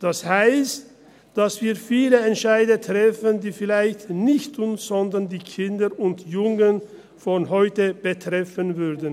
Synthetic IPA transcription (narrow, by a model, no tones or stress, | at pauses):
d̥ashaɪst | d̥asv̥iːɐfiːləɛntʃaɪdətʁ̥ɛfəndiːfɪlaɪçtnɪçtʰʊnz̥ɔndɐndiːkʰɪndəʔʊntjʊŋən | fɔnɦɔʏtəb̥ətʁ̥ɛfənvʏʁdən̩